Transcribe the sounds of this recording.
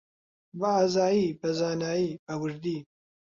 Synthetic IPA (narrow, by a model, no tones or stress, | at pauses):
vaazaːjiːbɐzaːnaːjiːbɐwɨɾd̪iː